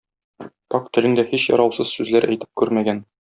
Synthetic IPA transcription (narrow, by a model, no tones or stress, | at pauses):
pɑkt̪ɘ̆lɘŋd̪æhiɕjɒ̰ɾɑwsɤzsʉzlæɾæjt̪ɘ̥p̚kʉɾmæɡæn